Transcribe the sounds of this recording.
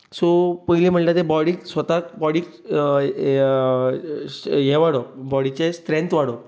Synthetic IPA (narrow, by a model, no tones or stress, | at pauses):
sopəɦlim̤əʈlat̪ebɔɽiːksʋət̪akbɔɽiːk | jɛʋaɽobɔɽit͡ɕest̪ɾẽnt̪ʋaɽo